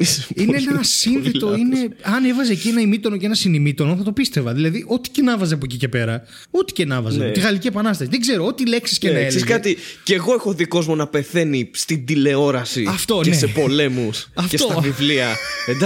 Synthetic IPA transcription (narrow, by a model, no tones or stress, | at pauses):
ineenɐsinθet̪oineɐne̞vɐzeːcienɐimit̪o̞noceenɐsinimit̪o̞noθɐt̪o̞pist̪e̞vɐðilɐðiʔo̞t̪i̥cenɐvɐzeɐp̬oec̬ice̞pe̞ɾɐ | ot̪i̥cenɐvɐzeot̪iɣɐliciepɐnɐst̪ɐsiðeɡze̞ɾoo̞t̪ile̞ksi̥scenɐeeskɐt̪ice̞ɣo̞exoðiko̞zmo̞nɐpe̞θe̞nist̪ind̪ile̞o̞ɾɐsiɐft̪o̞nnesepo̞le̞musɐfet̪ot̪ɐvivliɐend̪ɐ